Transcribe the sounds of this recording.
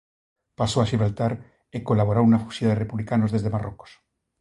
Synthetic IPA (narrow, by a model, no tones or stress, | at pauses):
pasoaʃiβɾalt̪aɾ | ekolaβ̞oɾaunafu̥sjaðerepuβlikanozðeðemaroko̥s